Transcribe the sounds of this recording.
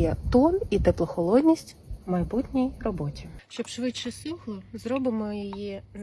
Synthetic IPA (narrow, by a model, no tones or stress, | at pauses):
jɐt̪ɔnit̪eplˠɔxɔlˠɔd̪ʲnʲisʲtʲ | mɐjbutʲnʲijrɔbɔtʲiʃt͡ʃɔbʃʋɪtt͡ʃɐsutʲnʲizɾɔbɪmɔjɔji